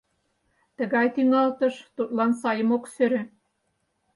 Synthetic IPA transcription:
t̪ə̆ɣɑjt̪yŋɑlt̪ɤ̆ʃt̪ut̪lɑnsɑjəmoksøɾø̆

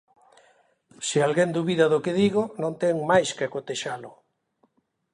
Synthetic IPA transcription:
sɪalɣend̪uβiðaðokeðiɣoʊnõnt̪ɛŋmajskakot̪eʃalʊ

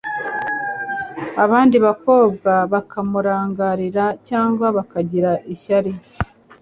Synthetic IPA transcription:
aβaːndiβako̞ːb̚ɡaβakʰamuɾaːŋɡaɾiɾacaːŋɡwaβakaɟiɾaʔiʃaɾi

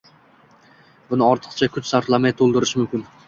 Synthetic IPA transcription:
bʊnɪɒɾt̪ʰɨ̥qt͡ʃʰakʰʊt͡ʃsaɾt̪lˠamajt̪ʰolˠd̪ɪɾɪʃmʊmkʲɪn

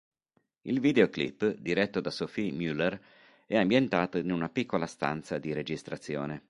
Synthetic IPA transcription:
ilviːd̪eoklḭpːd̪iɾɛt̪ːod̪asofimjulːer | ɛambjent̪aːt̪oinunapikʰːolast̪a̰nt̪sad̪iɾed͡ʒist̪ɾat̪sːjo̰ːne

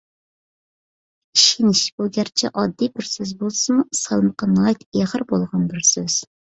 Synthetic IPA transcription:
iʃinɪʃb̥uɡʲæɾt͡ʃʰɛ̰ʔɑd̪ːibɪɾsøzbolˠsɨmusəlˠɨmqʰənlˠɑjt̪eʁəɾbolˠʁɑnbɪɾsøz̥

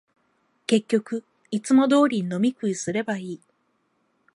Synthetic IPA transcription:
ke̞kʲːo̞kɯ̟ | it͡sɨmo̞d̪o̞ːɾʲiɲino̞mʲikɯ̟isɨɾe̞baiː

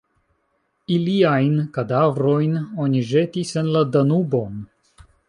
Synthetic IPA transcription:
iliajnkadavɾo̞jno̞niʒe̞tise̞nladanubo̞n

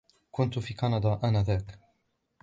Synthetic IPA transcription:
kʊnt̪ʊfiːkɑnɑd̪ˤɑːʔanaːðaːk

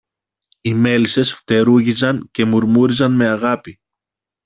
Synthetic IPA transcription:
ime̞lise̞sft̪e̞ɾuʝizɐɲce̞muɾmuɾizɐnme̞ɐɣɐpi

